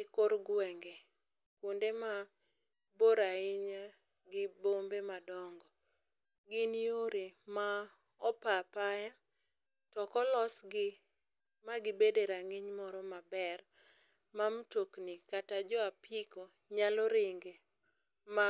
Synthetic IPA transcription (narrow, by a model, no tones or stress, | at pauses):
ɪkoɾɡwɛŋɡe | kundema | boɾaɪɲa | ɡɪbombemadɔŋɡɔ | ɡɪnijoɾema | ɔpapaja | tɔkɔlɔsɡɪ | maɡɪbedeɾaŋɪɲmɔɾɔmabɛr | mamtoknikatad͡ʒɔapiko | ɲalɔɾɪŋɡe | ma